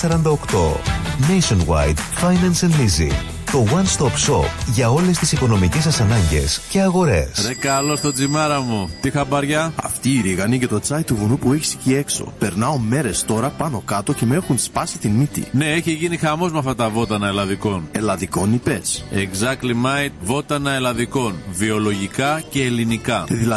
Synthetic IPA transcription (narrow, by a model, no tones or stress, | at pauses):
sɐɾɐnd̪ɐokt̪o̞̰nejsonwa̰jd̪ | fɐjnɐnsɐnlizḭ | t̪o̞wɐnst̪opsopʝɐo̞le̞st̪isiko̞no̞micesɐsɐnɐɲɟe̞̰sce̞ɐɣo̞ɾe̞̰sɾekɐlo̞st̪o̞d͡zimɐɾɐmut̪ixɐbɐɾʝɐɐ̰ft̪iːɾiɣɐnicet̪o̞t͡sɐit̪ːuvunupueçi̥si̥cie̞kso̞̰pe̞ɾnɐome̞ɾe̞st̪o̞ɾɐpɐno̞kɐt̪o̞ce̞mexunspɐsi̥t̪init̪ḭne̞eçiʝinixɐmo̞zmɐft̪ɐt̪ɐvo̞t̪ɐnɐelɐðiko̞ne̞lɐðiko̞nipeseɡzɐkt̪limɐjt̪vo̞t̪ɐnɐelɐðiko̞nvio̞lo̞ʝikɐce̞ːlinikɐðilɐ